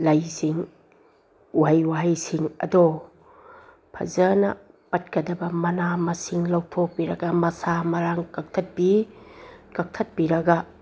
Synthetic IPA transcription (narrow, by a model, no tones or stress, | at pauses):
lajsiŋ | wajwaɦajsiŋɐ̰do | pʰɐ̰zɐnɐ̰ | pɐt̚kɐdɐbɐmɐnamɐsiŋlawtʰok̚biɾɐɡɐmɐsamɐɾaŋkɐk̚tʰɐt̚bi | kɐk̚tʰɐt̚biɾɐɡa